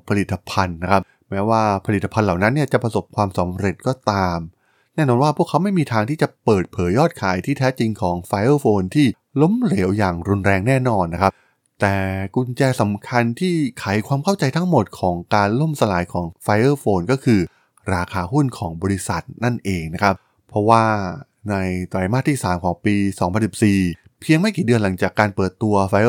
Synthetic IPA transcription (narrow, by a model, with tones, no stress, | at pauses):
pʰa˧li˨˩t̪ʰːa˧pʰa˧nːa˦˥kʰa˦˥p̚ | mɛː˦˥waː˥˩pʰa˧li˨˩t̪ːa˧pʰa˧nla˨˩wna˦˥nːi˥˩ɐt͡ɕa˨˩pɾa˧so˨˩p̚kʰwaː˧msa˩˦mɾe˨˩t̪̚kɔː˧˩t̪aː˧m | nɛː˥˩nɔː˧nwaː˥pʰu˥˩əkʰːa˦˥wma˥˩jmiː˧t̪ʰaː˧ŋt̪ʰiː˥˩t͡ɕa˨˩pɤː˨˩t̪̚pʰɤː˩˦jːɔː˥˩t̪̚kʰaː˩˦jt̪ʰiː˥˩t̪ʰɛː˦˥t͡ɕi˧ŋkʰɔː˩˦ŋfaː˧jʔɤː˥˩foː˧nt̪ʰiː˥˩ | lo˦˥mle˩˦wjaː˨˩ŋɾu˧nɾɛː˧ŋnɛː˥˩nɔː˧nː˦˥kʰa˦˥p | t̪ɛː˨˩ku˧nt͡ɕɛː˧sa˩˦mkʰa˧nt̪ʰiː˥˩kʰaː˨˩˦jkʰwaː˧mkʰa˥˩wt͡ɕa˧jt̪ʰa˦˥ŋmo˨˩t̪̚kʰɔː˩˦ŋkaː˧nlo˥˩msa˧laː˩˦jkʰɔː˩˦ŋfa˧jʔɤː˥˩foː˧nkɔː˥˩kʰɯː˧ | ɾaː˧kʰaː˧ɦu˥˩nkʰɔː˩˦ŋbɔː˧ɾi˦˥sa˨˩t̪̚na˥˩nʔeː˧ŋna˦˥kʰa˦˥p̚ | pʰɾɔ˦˥waː˥˩ | na˧jt̪ɾa˧˩jmaː˥˩t̪ʰiː˥˩saː˩˦mkʰɔː˩˦ŋpiː˧sɔː˩˦ŋpʰa˧nsi˨˩p̚siː˨˩ | pʰi˧əŋma˥˩jkiː˨˩dɯ˧ənla˩˦ŋt͡ɕaː˨˩kːaː˧npɤː˨˩t̪ːu˧ɐfa˧jʔ